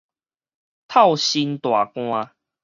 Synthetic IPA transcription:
t̪ʰa˥˨wɕi˧nt̪wa˨˩kw̃ã˧

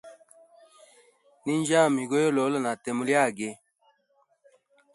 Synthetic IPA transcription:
ni˦nd͡ʒaː˦˨mi˨ɡo˦jo˦lo˨˦lo˦˨na˨t̪e˨mu˨ljaː˦˨ɡe˨

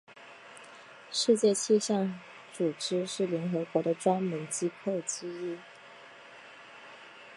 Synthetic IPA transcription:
ʂɻ̩˥˧t͡ɕjɛ˥˧t͡ɕʰi˥˧ɕɑ˥˩ŋ | ʈ͡ʂu˨˩ʈ͡ʂɻ̩˥ʂɻ̩˥˩ljɛ˧˥nxɤ˧˥kwɔ˧˥d̪ə˧ʈ͡ʂwa˥nmə˧˥nt͡ɕi˥pʰo˥˩ʊt͡ɕ̩˥i˥˩

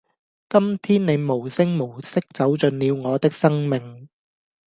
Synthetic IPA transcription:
kɐ˥mt̪ʰiː˥nne˨˧jmo˨˩wsɪ˥ŋmo˨˩wsɪ˥k̚t͡sɐ˨˥wt͡sɵ˨˧nliː˨˧wŋɔː˨˧t̪ɪ˥k̚sɐ˥ŋmɪ˨ŋ

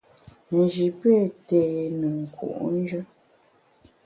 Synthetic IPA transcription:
n̩˨d͡ʒi˨pɛ˦˨teː˨nə˨ŋ̩˨kwṵ˨ʔn̩˦d͡ʒə˦

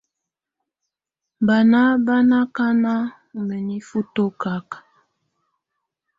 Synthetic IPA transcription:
ba˨na˦ba˦na˦ka˦na˦ | mə˨ni˦fu˦to˦ka˦k

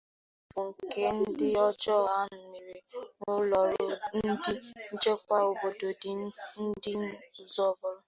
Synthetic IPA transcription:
bʊ˨ŋ̩˨ke˦n̩˦dɪ˦ɔ˦d͡ʒɔ˦˨ɦa˦n̩˨mi˨ɾe˨ŋʊ˦lɔ˨ɾʊ˦n̩˦dɪ˦n̩˦d͡ʒe˦kʷa˦o˨bo˨do˨dɪ˦n̩˦dɪ˦n̩˦˨zɔ˦bʊ˨ɾʊ˦

